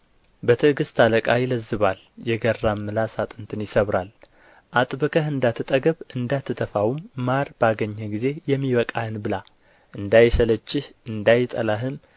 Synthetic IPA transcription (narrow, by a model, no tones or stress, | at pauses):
bət̪ʰəɨɡɨst̪ʰaləkʼajɪləzːɨβal | jɛɡərːamːɨlasat̪ʼɨnt̪ʰɨnjɪsəβɾal | ʔat̪ʼbɨkʰəɦɨnd̪at̪ʰːɨt̪ʼəɡəβɨnd̪at̪ʰːɨt̪ʰəfawumːaɾbaɡəɲːəɡize̞jɛmːiβəkʼahɨnbɨla | ʔɨnd̪ajsələt͡ʃːɪhʔɨnd̪ajt̪ʼəlaɦɨm